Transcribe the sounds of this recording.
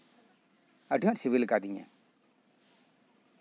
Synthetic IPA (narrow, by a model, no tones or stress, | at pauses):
əʈiŋaʔsiβilɡad̪iɲa̰